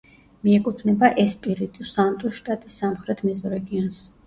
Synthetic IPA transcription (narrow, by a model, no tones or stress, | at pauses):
miɛkʼut̪ʰnɛbaʔɛspʼiɾit̪ʼisant̪ʼuʃt̪ʼat̪ʼisːamχɾɛt̪ʰmizɔɾɛɡiɔns